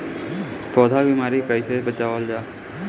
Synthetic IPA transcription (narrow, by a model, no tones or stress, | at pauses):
pɔːd̪ʱabimaːɾikəɪsebət͡ʃaːʋəld͡ʒaː